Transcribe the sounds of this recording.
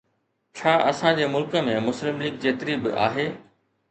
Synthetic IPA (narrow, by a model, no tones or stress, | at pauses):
t͡ɕʰaːʔɐsãd͡ʑeːmʊlkə̆mẽmʊslɪmliːɡ̚d͡ʑeːt̪ɪɾibɪ̰ʔa̰ːɦeː